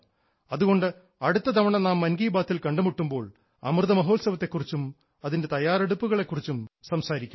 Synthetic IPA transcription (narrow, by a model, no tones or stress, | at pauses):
ɐðuɣo̞ɳɖɨ | ɐɽut̪ːɐd̪ɐmɐɳɐnaːmːɐnɡiːbaːt̪ʰːilkɐɳɖumuʈːumbo̞ːɭ | ɐ̰mrɨðɐmɐɦo̞ːlsɐʋɐt̪ːe̞kːurit͡ɕːum | ɐðinde̞t̪ɐjaːreɽupːuɣɐɭe̞kːurit͡ɕːumsɐmsaːɾikʲːu